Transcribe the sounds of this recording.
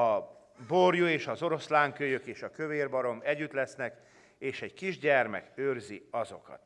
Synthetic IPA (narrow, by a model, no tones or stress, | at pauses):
ɒ | borjueːʃɒzo̞ɾo̞slaːŋkøːjøkeːʃɒkøveːrbɒɾo̞mɛɟːyt̪lɛsnɛk | eːʃɛɟkiʒɟɛrmɛ̰køːrziɒzo̞̰kɒ̰t̪